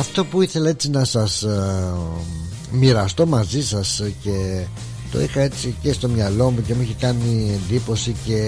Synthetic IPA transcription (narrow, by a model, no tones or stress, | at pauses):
ɐft̪o̞puiθe̞lɐe̞t͡sinɐsɐs | miɾɐst̪o̞mɐzisɐsce̞ | t̪o̞̰ixɐe̞t͡sice̞st̪o̞mɲɐlo̞muce̞muiçikɐnie̞nd̪ipo̞sice̞